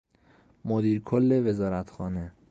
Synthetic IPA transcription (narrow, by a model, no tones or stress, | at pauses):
mod̪iːɾkʰolːe̞ve̞zɒːɾæt̪ʰxɒːne̞